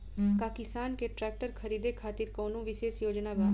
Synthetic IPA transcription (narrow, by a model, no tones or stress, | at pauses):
kaːkɪsaːnkeːʈɾɛːk̚ʈəɾkʰəɾiːd̪ekʰaːt̪iɾkoːnũːʋɪʃeːʃjoːd͡ʒnaːbaː